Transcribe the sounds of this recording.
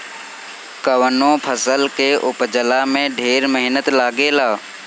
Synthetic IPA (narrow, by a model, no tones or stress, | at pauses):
kəʋənõːpʰəsəlkeʔʊpd͡ʒəlamẽɖʱeːɾməɦɪnət̪laːɡelaː